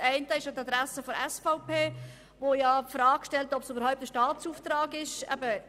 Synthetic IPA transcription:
ɛɪntəɪʃjatad̪ɾæsəfɔɾɛsfaʊpeː | vojapfɾɑːkʃtɛltɔpsybəɾhɔʊp̚t̪əʃtɑːt̪t͡suːft̪ɾɑːɡɪʃɛ̰bə

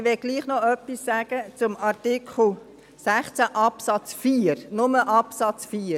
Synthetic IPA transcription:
ʋɛɡ̥liːχnɔœpːisːæːɡ̥ət͡sʊmɑrtikχl̩ | sæχt͡sæʔɑpsɑt͡sfiːrnʊməʔɑpsɑt͡sfiː

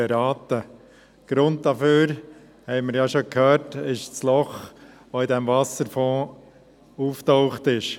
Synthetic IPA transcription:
ɛɾɑːt̪ə | ɡ̥ɾʊnt̚d̥ɑføːɾ | hɛɪməɾjɑʃokʰhøːɾtɪʃt͡slɔχ | ʋoɪdɛmvɑsəɾfɔ̃ː | uːftɔʊχtɪʃ

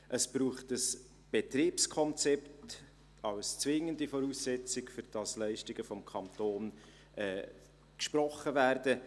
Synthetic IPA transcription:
ʔəsb̥ruːχtəs | b̥etriːpskʰɔnt͡sɛpt | ɑwst͡svɪŋəndifɔɾuːsːɛt͡sɪkfʏɾd̥ɑslɛɪʃtɪɡ̥əfɔmkʰɑntoːn | ʔɛː | kʃpɾɔχːəvæːrdə

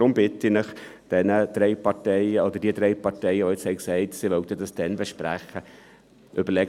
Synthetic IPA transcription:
ɾʊmbɪtinɪχd̥ɛnəd̥ɾeɪpɑtɛɪəodəd̥iːəd̥ɾeɪpɑrtɛɪəvoɪt͡shɛɪksɛɪtsivœʊtədɑsd̥ɛnbəʃpræ̰χə | ʔybəɾlɛɡ

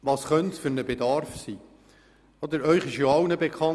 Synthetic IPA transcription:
ʋɑːsχœntsfʏɾnəbedɑɾfsiː | ɔd̪əɾœʏχɪʃjoɑʊnəbekʰχɑn

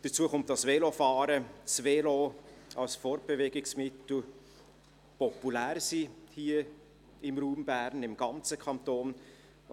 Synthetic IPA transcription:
d̥ət͡suəχʊmtɑsveːlofɑːɾəsveːloɑlsfoːɾb̥evɛɡɪksmɪtl̩ | pɔpulæːɾsiːhiːə | ɪmɾuːmb̥æːɾnɪmɡ̥ɑnt͡səkʰɑnt̪oːn

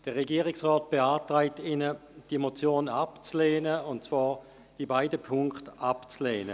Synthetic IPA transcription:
d̥əʁːeɡiəʁɪksʁɔːt̚b̥eaːtʁaɪtɪnəd̥imot͡sjoːnapt͡sleːnəʊnt̚t͡svaːʁ | ibaɪdəpʰʊŋktapt͡sleːnə

